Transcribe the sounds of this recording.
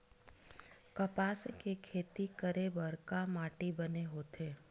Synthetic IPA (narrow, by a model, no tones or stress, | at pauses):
kɐpaːskekʰeːt̪ikəɾebəɾkamaːʈibəneɦoːt̪eː